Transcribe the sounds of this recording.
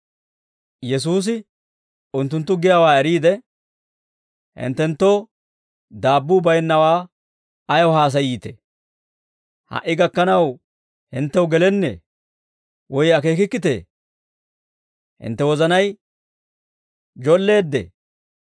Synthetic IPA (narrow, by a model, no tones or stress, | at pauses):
jɛs̬uːs̬ɪ | ʊnt̪ːʊnt̪ːʊɡɪjaːwaːɛɾiːd̪ɛ | hɪ̰nt̪ːɛnt̪ːo̞ː | d̪aːbːuːbɐjnːɐwaː | ɐjɔɦaːs̬ɐjiːt̪ḛ | hɐ̰ʔːɪɡɐkːɐnɐw | hɪnt̪ːɛwɡɛlɛnːḛː | wɔjɐke̞ːkɪkːɪt̪ḛː | hɪ̰nt̪ːɛwɔzɐnɐj | d͡ʒɔlːe̞ːd̪ːḛː